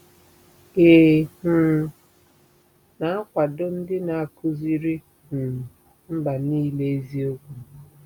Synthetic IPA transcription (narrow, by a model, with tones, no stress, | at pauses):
e˨h̩˨ | na˨a˦kʷa˨do˦n̩˦dɪ˦na˨a˨kʰʊ˦zi˦ɾi˦˨ | m̩˦ɡ͡ba˨niː˦le˦e˦zi˦o˦ɡʷu˨